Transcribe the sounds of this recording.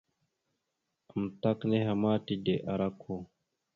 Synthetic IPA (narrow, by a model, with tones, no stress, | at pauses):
a˨m˨ta˦kne˦ha˨ma˦ti˨de˨ʔa˨ɾa˦kʰo˦